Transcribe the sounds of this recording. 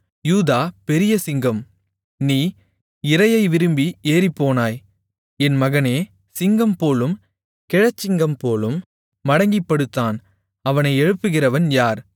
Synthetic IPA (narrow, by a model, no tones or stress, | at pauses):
juːðaːpɛɾɪjɐsɪŋɡɐm | niː | ɪɾɐjɐɪʋɪɾɯmbiʔeːɾipːoːnaːj | ɛnmɐɣɐneː | sɪŋɡɐmpoːlɯm | kɛɻɐt͡ʃːɪŋɡɐmpoːlɯmː | ɐɽɐŋɡɪpːɐɽɯt̪ːaːn | ɐʋɐnɐɪɛɻɯpːɯɣɪrɐʋɐnjaːɾ